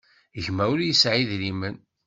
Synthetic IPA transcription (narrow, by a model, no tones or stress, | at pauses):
ʝmæwɾjəsʕiðɾimən